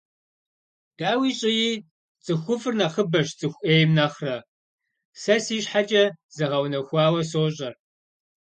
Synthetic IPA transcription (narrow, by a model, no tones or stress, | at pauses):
d̥aːwiːɕʼɪjiː | t͡sʼɨxʷʊfɨrnɐχəbɐʃt͡sʼɨxʷʔeːjmnɐχrɐ | sɐsiːɕħat͡ʃʼɐz̥ɨʁɐwnɐxʷɑːwɐsoːɕʼɐr